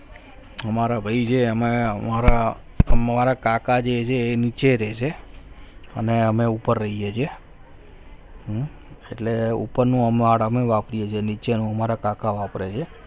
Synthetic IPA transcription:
əmaɾabʱəid͡ʒʰeəmemaɾa | əmmaɾakakad͡ʒet͡ʃʰeːnit͡ʃeɾet͡ʃʰe | əneəmeupəɾːəɦijet͡ʃʰie | eʈleṵpəɾnũəmaɽəmeʋapɾijet͡ʃʰenit͡ʃenũəmaɾakakaʋapɾet͡ʃʰe

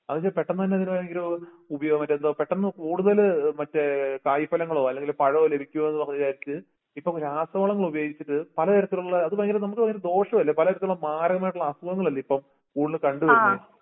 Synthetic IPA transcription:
ɐðɨt͡ɕːepeʈːɐnɐt̪ɐnːeɐðinupɐɾɐŋɡilo | ubɐjoːɣɐmːɐtːend̪oːpeʈːɐnːɨkuːɽuðɐlmɐtːɨkaːjpːɐlɐŋːɐɭo̞ːɐlːeŋɡilpɐɻɐoːle̞bʱikʲːumomenːɨpɐɐɐt͡ɕaːjiɾit͡ɕːɨ | ipːɐmkɾaːst̪ɐmɐːɭɐŋːɐɭubɐjoːɡit͡ɕːiʈːɨpɐlɐɐɾɐt̪ːiluɭːɐːðupɐrɐŋɡilnɐmukːɨɐːɐɾed̪o̞ːʂɐmɐlːɐpɐlɐɐɾɐt̪ːiɭuɭːɐmaːɾɐɣɐmaːjʈːuɭːɐsɐʋɐŋːɐɭɐlːɐipːɐm | kuːɽuðɐlkɐɳɖuʋekː

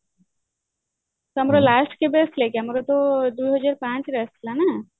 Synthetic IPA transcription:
t̪oəmɾolasʈkebesʈʰlekeamɾot̪od̪ujɦəd͡ʒaɾpãt͡ʃɾesʈ̪ʰilana

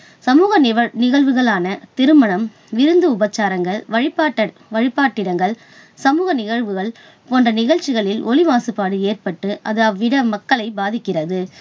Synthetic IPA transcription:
sɐmuːɣɐɐnɪɣɐɭʋɯɣɐɭaːnɐt̪ɪɾɯmɐɳɐm | ʋɪɾɯnd̪ɯʊbɐt͡ʃːaːɾɐŋɡɐɭʋɐɻɪpːaːʈː | ʋɐɻɪpːaːʈːɪɽɐŋɡɐɭ | sɐmuːɣɐnɪɣɐɻʋɯɣɐɭ | poːndrɐnɪɣɐɻt͡ʃːɪɣɐɭɪlʔɔɭɪʋaːsɯpːaːɽɯeːrpɐʈːɯʔɐðɯʋːɪɽɐmɐkːɐɭɐɪbaːðɪkːɪrɐðɯ

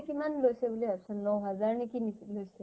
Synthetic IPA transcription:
kimanlojsɛbuliapsɔnːɔwɦazaɹnikinilojsɛ

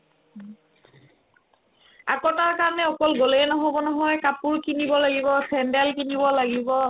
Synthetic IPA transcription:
a̰kɔtaɹkaɹnɛɔkɔlɡoleɛnɔɦɔbɔnɔɦɔjkapuɹkinibɔlaɡibɔsʰɛndɛlkinibɔlaɡibɔ

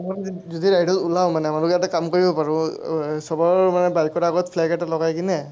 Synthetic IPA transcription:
mazɔdiɹajdɔtulawmanɛamalɔkjatɛkamkoɹibɔpaɹusɔbɔɹmanɛbajkkɔɹaɡɔtpʰlaɡɛtalɔɡajkinɛ

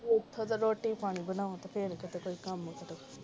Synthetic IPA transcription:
ɪt̪ʰːot̪ɐɾoːʈipaːɽ̃ibɐlaːõt̪ɐpʰeːɾkɪt̪ekoːikɐmʊ̃t̪ɐt̪ɐko

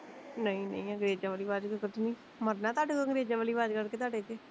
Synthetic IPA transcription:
nəĩːnə̰̃ĩːəŋɡɾeːd͡ʒãːʋaːliːʋaːd͡ʒkəkət̪ːnĩː | məɾnaːt̪aːɖkəŋɡɾeːd͡ʒãʋaːliːʋaːd͡ʒkəɾkeːt̪aːɖeːd͡ʒ̪eː

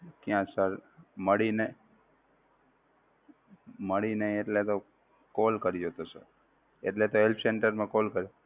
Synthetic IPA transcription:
kjãsəɾməɽine | məɽineeʈlet̪o | kolkəɾid͡ʒot̪osə̰ɾ | ḛʈlet̪oɦelpʰseɳʈəɾmẽkolkəɾo

